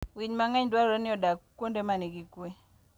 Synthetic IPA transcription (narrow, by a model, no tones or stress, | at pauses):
wiɲmaŋɛɲdwaɾanɪɔdakkːondemaniɡikwe